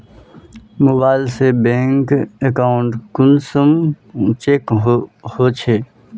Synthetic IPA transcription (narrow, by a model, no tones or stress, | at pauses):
moːbaːɪlsebẽːŋkekaːʊɳʈkʊnsəm | t͡ʃeːkhot͡ʃʰe